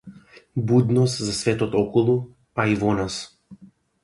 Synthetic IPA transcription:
bud̪nɔst̪zasvɛt̪ɔt̪ɔkɔlˠu | aivɔnas

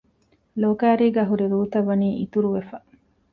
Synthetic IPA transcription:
loːkæːɾiːɡɐɦuɾiɾuːt̪ɐʋːɐniːʔit̪uɾuʋefɐ

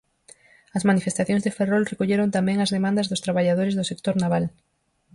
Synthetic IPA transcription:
ɐsmanifest̪aθjõŋzðeferolrekoʎeɾont̪amɛ̃ŋɐzðemãnd̪ɐzðʊst̪ɾaβaʎaðoɾɪzðʊsek̚t̪oɾnaβal

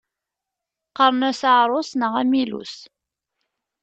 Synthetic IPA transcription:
qəɾˤnæsəʕɾˤosnəʁæmilṵs

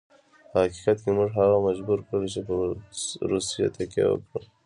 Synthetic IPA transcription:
pəhaqi̥qat̪kemuʐɦaɣamad͡ʒbuɾkɽəlet͡ʃepəɾusija̰t̪akḛwə̰kɽəl

